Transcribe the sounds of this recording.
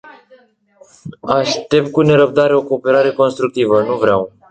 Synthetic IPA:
aʃt̪e̞p̚t̪̚kune̞ɾəp̚d̪aɾe̞o̞ko̞ːpe̞ɾaɾe̞ko̞nst̪ɾuk̚t̪ivənuvɾeaw

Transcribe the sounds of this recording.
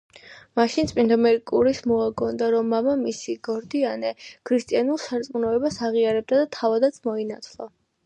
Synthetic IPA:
maʃint̪sʼpʼind̪ɔmɛɾikʼuɾismɔaɡɔnd̪aɾɔmːamamisiɡɔɾd̪ianɛkʰɾist̪ʼianulˠsaɾt̪sʼmunɔɛbasaʁiaɾɛb̚d̪ad̪at̪ʰavad̪at̪sʰmɔinat̪sʰlˠɔ

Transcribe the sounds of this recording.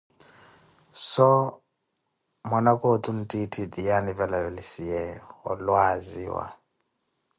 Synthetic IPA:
sɔ | mɔnakʼot̪ʰʼun̩tʼitʰid̪ijanivɛlavɛlisijɛɔ̰lwazḭwa̰

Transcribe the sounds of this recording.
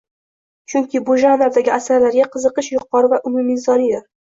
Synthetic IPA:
t͡ʃʰʊŋkʲɪbʊʒanaɾd̪aɡʲɪasaɾlaɾɡʲaqʰɨzɨqɨʃjʊqːɒɾɪvaʔʊmʊmizɒnija

